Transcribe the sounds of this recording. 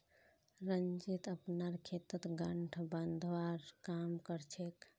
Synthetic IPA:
ɾənd͡ʒit̪əpnaɾkʰet̪ət̪ɡəɳʈʰbənd̪ʱʋaɾkamkəɾt͡ʃʰek

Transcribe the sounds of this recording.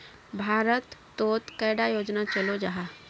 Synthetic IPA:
bʱaːɾət̪ːoːt̪kəːɽajoːd͡ʒnat͡ʃəlod͡ʒaɦa

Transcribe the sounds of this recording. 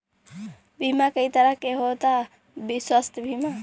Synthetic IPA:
bʱimakəit̪əɾəkeɦot̪a | biswəst̪ʰbʱiːma

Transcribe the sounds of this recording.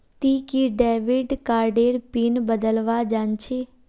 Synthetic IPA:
t̪iːkiɖɛːʋɪɖkaːɾɖeːɽpinbəd̪əlʋad͡ʒaːnt͡ʃʰeː

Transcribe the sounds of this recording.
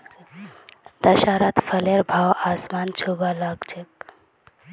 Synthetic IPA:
d̪̥ɐʃaːɾat̪fʰəleɾbʱaːwaːsmaːnt͡ʃʰubalaːɡt͡ʃek̚

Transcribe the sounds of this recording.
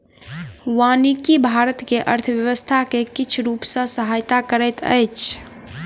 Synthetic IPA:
wanikibʱaɾət̪keʔəɾt̪ʰəʋjəʋəst̪ʰakekit͡ʃʰɾupsə̃səɦajt̪akəɾəjt̪ʰə̰jt͡ʃʰ

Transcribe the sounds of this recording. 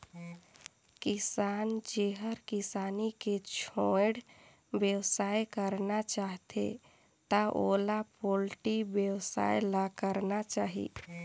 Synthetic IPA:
kisaːnd͡ʒeɦəɾkisaːniket͡ʃʰoeɽ | bjəwsajkəɾnat͡ʃaɦt̪ḛ | t̪aʔolapolʈibjəwsa̰jlakəɾnat͡ʃaːɦḭ

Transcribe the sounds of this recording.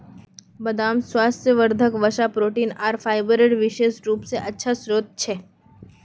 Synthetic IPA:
bɐd̪aːmswaːst̪ʰjəʋəɾd̪ʱəkʋəʃapɾoːʈiːnaːɾfʰaːɪbɾeɖʋɪʃeːʃɾuːpseʔɐtːʃʰasɾoːt̪̚t͡ʃʰeː

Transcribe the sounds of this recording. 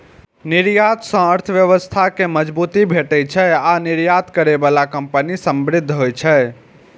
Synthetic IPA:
niɾjat̪sə̃əɾt̪ʰəʋjəʋəst̪ʰakeməd͡ʒbut̪ibʱeʈɛt͡ʃʰɛaniɾjat̪kəɾebalakəmpənisəmbɾɪd̪ʱːɦojt͡ʃʰɛ

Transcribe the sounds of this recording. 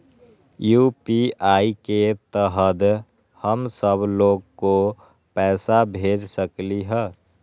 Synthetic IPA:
juːpiaːiket̪əɦəd̪ | həmsəbloːɡko | pɛːsabʱeːd͡ʒsəkliɦɛː

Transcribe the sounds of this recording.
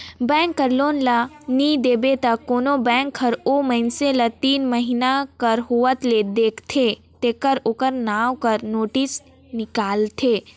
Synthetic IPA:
bɛ̃ːŋkːəɾloːnla | nid̪eːbet̪ɐoːnobɛ̃ːŋkʰəɾoːməɪnselɐt̪iːnməɦinakɐɾɦuʋət̪led̪eːkʰt̪ʰeː | t̪eːkəɾokəɾnaːwkɐɾnoːʈɪs | nɪkaːlt̪ʰeː

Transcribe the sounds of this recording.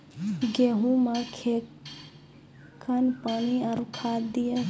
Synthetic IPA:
ɡeɦũmakʰe | kʰənpaniaɾukʰad̪ijə

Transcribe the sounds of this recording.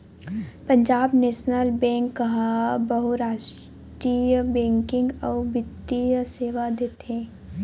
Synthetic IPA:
pə̃ɲd͡ʒaːbneːʃnəlbɛ̃ːŋkːɐɦabɐɦuɾaːʃ | ʈɾijəbɛ̃ːŋkɪ̃ŋɡɔːbɪd̪ijəseːʋad̪eːt̪eeɛ̃ː

